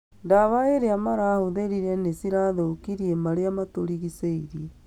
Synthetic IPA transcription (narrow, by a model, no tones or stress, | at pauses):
daβaeɾeamaɾahoðeɾiɾɛnesiɾaðokiɾiemaɾeamatoɾiɣiseiɾi